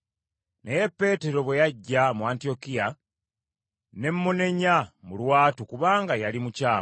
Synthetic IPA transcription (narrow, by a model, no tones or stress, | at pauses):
ne̞je̞pːe̞ːte̞ɾo̞βwejaɟːamuantio̞kija | ne̞mːune̞ɲamulwaːtukuβaːŋɡajalimucaː